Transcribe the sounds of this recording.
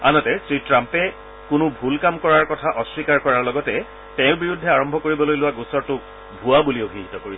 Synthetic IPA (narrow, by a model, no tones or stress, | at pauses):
a̰nɔtɛsɹitɹampɛ | kʊnʊbʱulkamkɔɹaɹkɔtʰaʔɔswikaɹkɔɹaɹlɔɡɔtɛ | tɛ̃ʊbiɹudʱːɛaɹɔmbʱɔkoɹibɔlojlʊwaɡusɔɹtʊk̚ | bʱuabuliobʱiɦitɔkoɹi